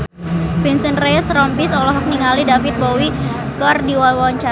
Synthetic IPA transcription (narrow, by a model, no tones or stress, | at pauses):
b̥ɛnsənreəsɾɔmpisɔlɔɦɔk̚niŋalidafɪt̪̚bowikɔrdiwawawaɲt͡ʃa